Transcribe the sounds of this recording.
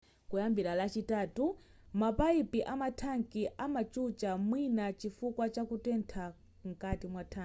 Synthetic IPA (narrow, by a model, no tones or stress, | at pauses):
kujambiɾalat͡ʃitaːtu | mapaipiʔamatʰaŋkiʔamat͡ʃut͡ʃamwinat͡ʃifukwat͡ʃakutɛntʰa | ŋ̩katimwatʰa